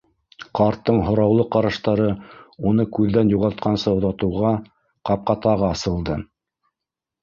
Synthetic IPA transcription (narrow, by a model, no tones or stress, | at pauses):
qɑɾt̪ːɤɴɦŏɾɑwlˠɤqɑɾɑʃt̪ɑɾɤunɤkʉðːænjuʁɑt̪̚qɑnsɤŏðɑt̪ɤ̆wʁɑ | qɑp̚qɑt̪ɑʁɑːsɤ̆lˠd̪ɤ